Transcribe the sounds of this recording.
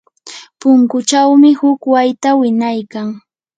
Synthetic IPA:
pʊŋkʊt͡ʃawmɪhʊkwajt̪awɪɲajkaŋ

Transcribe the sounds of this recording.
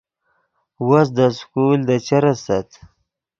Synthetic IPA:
was̬d̪əskuld̪ət͡ʃaɾasat̪

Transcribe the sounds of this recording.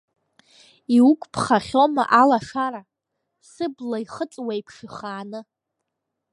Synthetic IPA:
iukʷʼpʰχaχʲo̞ma̰ʔalaʂaɾa | sɨblaiχət͡sʼwaipʰʂɨχaːnɨ

